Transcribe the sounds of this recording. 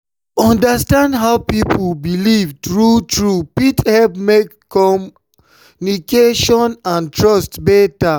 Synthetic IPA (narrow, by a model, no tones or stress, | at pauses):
ɔ̃ndastãndɦaʊpipubilivdɹutɹupithɛlpmek | kɔ | nikeʃɔ̃nãntɹɔstbɛta